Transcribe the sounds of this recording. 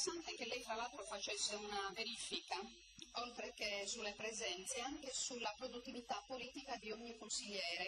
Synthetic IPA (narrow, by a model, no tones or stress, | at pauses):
sant̪ekelːɛjt̪ɾalaːt̪ɾofat͡ʃɛsːeunaveɾiːfika | ɔlt̪ɾɛkesulːepɾɛzɛnt̪seaŋkesulapɾod̪ut̪ːivit̪apːoliːt̪ikad̪ioɲːikunsiʎːɛːɾɛ